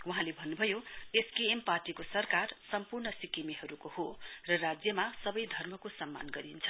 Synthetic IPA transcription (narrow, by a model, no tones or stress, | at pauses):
wuɦãlebʱʌnːubʱʌjoeskiemparʈikosʌrkarsʌmpurnʌsikimeɦʌɾukohorʌrad͡zjʌmasʌbʌjd̪ʱʌrmʌkosʌmːa̰nɡʌɾint͡sʰʌ